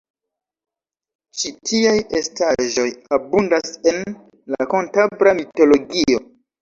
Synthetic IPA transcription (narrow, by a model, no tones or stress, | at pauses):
t͡ʃitʰiaje̞staʒo̞jabundase̞n | lakontabɾamito̞lo̞ɡio̞